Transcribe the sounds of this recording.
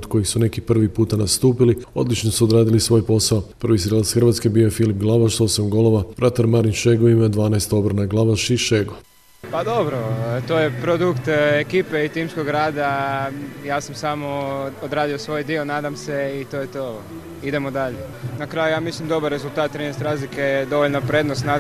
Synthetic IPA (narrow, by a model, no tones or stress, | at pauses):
d̪ko̞jixsune̞kipr̩ʋipuːt̪anast̪uːpilio̞̰d̪lit͡ʃnosuod̪ɾaːd̪ilisʋo̞jpo̞saopr̩ʋisɾelat̪sxr̩ʋat̪ske̞biːojefilipɡlˠaʋaʃso̞samɡo̞lo̞ʋabɾat̪aɾmaɾinʃeɡoimad̪ʋaːnaest̪o̞bɾanaɡlˠaʋaʃiʃeɡo | pad̪o̞bɾot̪ojepɾod̪ukt̪ekiːpeit̪imskoɡɾaːd̪a | jaːsamsamood̪ɾaːd̪iosʋo̞ːjd̪ionaːd̪amseit̪oːjet̪o | id̪e̞mod̪aʎenakɾajujaːmislimd̪o̞baɾːe̞zult̪aːt̪̚ːɾinest̪eɾaːzliked̪o̞ʋoʎnapɾed̪nost̪na